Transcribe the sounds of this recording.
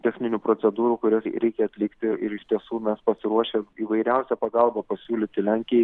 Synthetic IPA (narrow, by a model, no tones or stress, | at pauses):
t̪ʲɛxʲnʲɪnʲuːpɾot̪sʲɛd̪uːɾuːkʊɾʲɛɾʲɛɪkʲɛɐt̪ʲlʲɪkt̪ʲɪɪɾɪʃt̪ʲiɛsuːmʲɛspɐsʲɪɾuɔʃʲemiːʋɐɪɾʲɛʊsʲɛpɐɡɐlˠbɐpɐsʲuːlʲɪːt̪ʲɪlʲæŋʲkʲɪjɛɪ